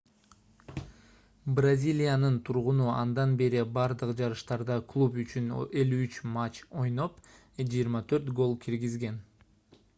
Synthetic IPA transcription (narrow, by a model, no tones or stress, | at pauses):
brazʲilʲijanɯnt̪ʰuɾʁunuɑnd̪ɑnbe̞ɾibɑɾd̪ɯqd͡ʒɑɾɯʃt̪ɑɾd̪ɑklˠupyt͡ʃyne̞lyyt͡ʃmat͡ʃo̞jno̞p | d͡ʒijːɾmɑt̪ʰø̞ɾt̪ɡo̞lˠkʰiɾɡizɡe̞n